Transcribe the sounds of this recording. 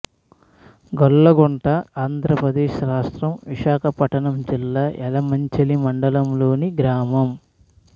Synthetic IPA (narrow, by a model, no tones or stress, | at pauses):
ɡɔɭːɐɡɔɳʈɐaːnd̪ʱɾɐpɾɐd̪eːʃɾaːʂʈɾɐmʋiʃaːkʰɐpɐʈɐɳɐmd͡ʒilːaːʔɛlɐmɐɲt͡ʃelimɐɳɖɐlɐmlo̞ːniɡɾaːmɐm